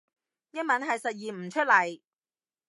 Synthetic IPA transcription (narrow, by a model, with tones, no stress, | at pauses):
jɐ˥nmɐ˨˥nɦɐ˨jsɐ˨t̚jiː˨m̩˨˩t͡ʃʰɵ˥t̚lɐ˨˩j